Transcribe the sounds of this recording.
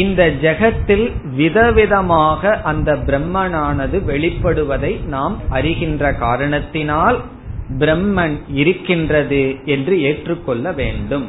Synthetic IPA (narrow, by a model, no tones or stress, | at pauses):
ɪnd̪ɐd͡ʒɐɣɐt̪ːɪlʋɪðɐʋɪðɐmaːɣɐʔɐnd̪ɐbɪɾɛmːɐnaːnɐðɯʋɛɭɪpːɐɽɯʋɐðɐɪnaːmɐrɪɣɪndrɐkaːɾɐɳɐt̪ːɪnaːl | bɪɾɛmːɐnɪɾɯkːɪndrɐðɯɛndrɯeːʈrɯkːɔɭːɐʋeːɳɖɯm